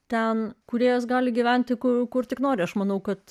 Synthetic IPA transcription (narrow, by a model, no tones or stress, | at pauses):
t̪ʲɛnkʊɾʲeɛjosɡɑːlʲɪɡʲiʋʲɛnʲt̪ʲɪkʊkʊrt̪ʲɪknoːɾʲɪɐʃmɐnɐʊkɐt̪